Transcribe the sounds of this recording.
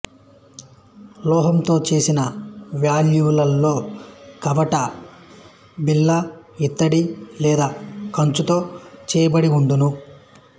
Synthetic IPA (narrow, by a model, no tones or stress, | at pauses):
lɔːɦɐmt̪o̞ːt͡ʃe̞ːsinɐʋjaːljuːlɐlːo̞ːkɐʋɐʈɐ | bilːɐit̪ːɐɽilɛːd̪aːkɐɲt͡ʃut̪o̞ːt͡ʃɛːjɐbɐɽiund̪unu